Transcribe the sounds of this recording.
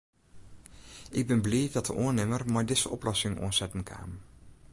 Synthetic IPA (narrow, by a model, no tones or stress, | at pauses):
ʔɪɡ̚bɛnbliːdɑtəʔʊəɹnɪmərmajdɪz̥əʔɔ̰plɔsɪŋʔo̰ənsɛtənkʰa̰ːm